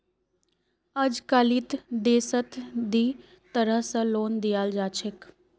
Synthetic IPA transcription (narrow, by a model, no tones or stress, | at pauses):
əd͡ʒkalit̪d̪eːsət̪d̪iː | t̪əɾəsəloːnd̪ijaːld͡ʒaːt͡ʃʰɪk